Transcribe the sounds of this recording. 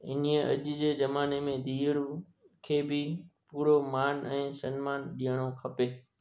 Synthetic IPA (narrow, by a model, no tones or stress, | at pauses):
ɪniəʔɐ̰ʄd͡ʑeːd͡ʑɐmaːnemẽd̪ʱiːəɽu | kʰeːbɪpuːɾomaːnɛ̃ːsɐnmaːnɗijəɽ̃okʰɐpeː